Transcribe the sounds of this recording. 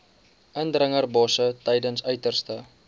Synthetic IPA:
ʔəndrəŋərbɔsətɛjdənsœɥtərstə

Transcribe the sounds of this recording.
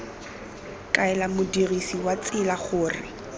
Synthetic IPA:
kʼaɛlamʊdirisiwat͡sʼɪlaχʊːrɪ̰

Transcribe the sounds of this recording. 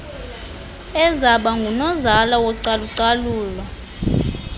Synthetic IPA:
ɛzaɓaŋɡʱunɔzalawɔǀaluǀaluːla

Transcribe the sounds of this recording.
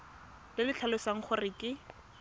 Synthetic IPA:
lɪlɪt͡ɬʰalesaŋ̩χʊrɪkɪ

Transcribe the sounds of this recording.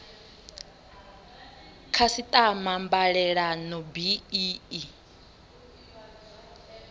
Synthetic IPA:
kʰasit̪ʼamambaɺɛɺanɔbiiːi

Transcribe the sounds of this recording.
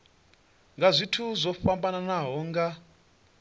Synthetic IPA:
ŋɡazʷitʰuzʷɔfambananaɦɔŋɡa

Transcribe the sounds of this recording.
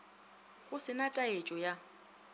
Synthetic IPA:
ɣʊsɪnatʼaet͡ʃʼɔja

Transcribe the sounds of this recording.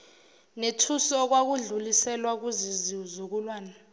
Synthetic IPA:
netʰusɔk̬wak̬uɮulisɛlwak̬uziziuzuk̬ulwaːna

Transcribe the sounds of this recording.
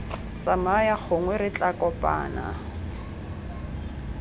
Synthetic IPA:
t͡sʼamajak͡xʰʊŋwɛrɪt͡ɬʼakʼɔpʼa̰ːna̰

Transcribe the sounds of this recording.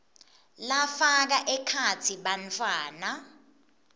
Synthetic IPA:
lafak̬aʔɛkʰat͡sʰiɓant͡fʰʼwaːna

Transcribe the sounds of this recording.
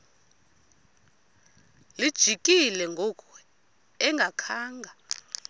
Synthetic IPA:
lid̥ʒ̥ʱikʼilɛŋɡʱɔkʰʼɛ | ɛŋɡʱakʰaːŋɡʱa

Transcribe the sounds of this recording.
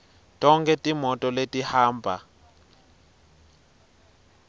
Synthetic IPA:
tʼɔŋkʼɛtʼimɔtʼɔletʼihaːmbʱa̰

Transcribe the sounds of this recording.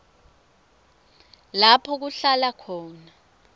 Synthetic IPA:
lapʰɔk̬uɬalakʰɔːna

